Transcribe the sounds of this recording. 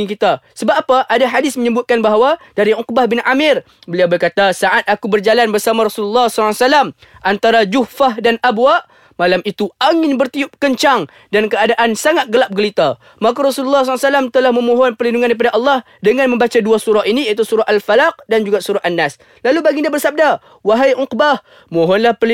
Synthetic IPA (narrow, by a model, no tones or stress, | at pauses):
ikit̪asəbaapaʔadaɦadɪsməɲəbʊt̪̚kanbaɦawadaɾiʊk̚bahbɪnʔamɪr | bəliawbərkat̪asaʔat̪̚akubərd͡ʒalanbərsamaɾɔsululːɑhsɔlasalam | ʔant̪aɾad͡ʒuhfahdanabwaʔ | malamit̪uaŋɪnbərt̪iʊp̚kəɲt͡ʃaŋ | dankəadaʔansaŋat̪̚ɡəlap̚ɡəlit̪a | mak̬aɾɔsululːɑhs̬lsalamt̪əlahməmoɦɔnpərlinduŋanip̬adaʔɑlːɑh | dəŋanmə̃mbat͡ʃaduasuɾaɦinijat̪usuɾaʔalfalaq̚dand͡ʒuɡasuɾaʔanːas | lalubaɡindiabərsab̚da | waɦajʔʊqbah | moɦɔnlahpəli